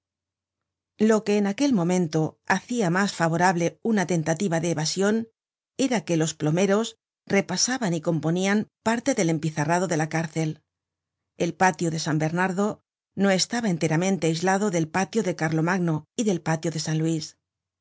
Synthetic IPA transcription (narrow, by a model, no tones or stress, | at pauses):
lo̞ke̞ːnake̞lmõ̞mẽ̞nt̪o̞aθiamasfaβ̞o̞ɾaβle̞unat̪e̞nt̪at̪iβaðe̞ːβasjo̞n | e̞ɾake̞lo̞splo̞me̞ɾo̞s | re̞pasaβaniko̞mpo̞niampaɾt̪e̞ðe̞le̞mpiθaraðo̞ðe̞lakaɾθe̞l | e̞lpat̪joðe̞sambe̞ɾnaɾðo̞ | no̞e̞st̪aβae̞nt̪e̞ɾamẽnt̪e̞ajzlaðo̞ðe̞lpat̪joðe̞kaɾlo̞maɣnoiðe̞lpat̪joðe̞sanlwis